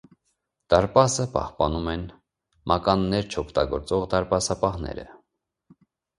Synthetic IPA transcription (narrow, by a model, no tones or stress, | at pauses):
d̪̥ɑɾpɑsəpɑ̰hpɑnumɛn | mʔɑkɑnːɛɾt͡ʃʰɔkʰt̪ɑɡɔɾt͡sɔʁd̪ɑɾpɑsɑpɑhnɛ̰ɾə̰